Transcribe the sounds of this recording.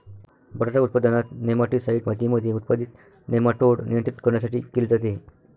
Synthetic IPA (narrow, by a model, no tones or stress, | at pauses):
bəɽaʈaut̪̚pad̪anat̪nemaʈisaiʈmat̪iməd̪ʱjeut̪̚pad̪it̪ | nemaʈoɽnijə̃nt̪ɾit̪kəɾɳjasaʈḭːkeld͡zat̪e